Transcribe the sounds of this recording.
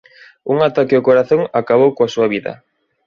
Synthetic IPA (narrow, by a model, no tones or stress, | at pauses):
uŋat̪akɪʊkoɾaθoŋakaβ̞owkoasuaβiðɐ̰